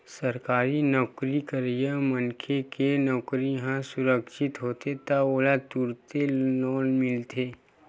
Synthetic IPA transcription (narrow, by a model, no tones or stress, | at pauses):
sɐɾkaːɾinɔːkɾikəɾjəmənkʰekenɔːkɾijɦãsʊɾəkʃɪt̪ɦoːt̪et̪aoːlat̪uɾt̪elɔːnmɪlt̪ʰeː